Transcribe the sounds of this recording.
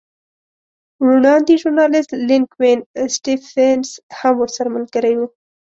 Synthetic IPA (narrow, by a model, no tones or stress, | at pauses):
ɾuɳɑnd̪iʒʊɾnɑlɪst̪lɪŋkwensʈifenshamwəɾsaɾaməlɡəɾajwu